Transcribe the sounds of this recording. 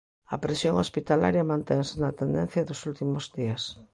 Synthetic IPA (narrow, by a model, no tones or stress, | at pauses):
ɐpɾesjoŋospit̪ala̰ɾjɐmãnt̪eŋsenɐt̪end̪en̟θjɐðosult̪imʊzðiɐs